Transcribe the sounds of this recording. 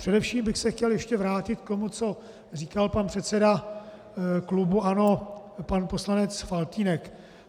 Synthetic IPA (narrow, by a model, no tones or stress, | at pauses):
r̝̥ɛdɛfʃiːmbɪxsɛxcɛljɛʃcɛvɾaːcɪt̪̚k̚t̪o̞mut͡so̞ | riːkalpanpr̝̥ɛt̪t͡sɛda | klubuʔano̞ | panpo̞slanɛt͡sfalt̪iːnɛk